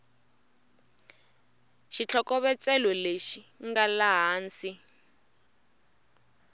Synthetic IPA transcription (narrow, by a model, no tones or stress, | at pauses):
ʃit͡ɬʰɔkɔβɛt͡sɛlɔleʃiŋɡalaɦaːnt͡si